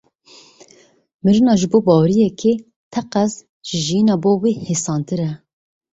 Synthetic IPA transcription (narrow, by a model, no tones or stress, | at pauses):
mɨɾɨnɑːʒɨboːbɑːwɾijɛkʰe | t̪ʰɛqæz | ʒ̥ɪʒijinɑːboːweːhesɑːnt̪ɨɾɛ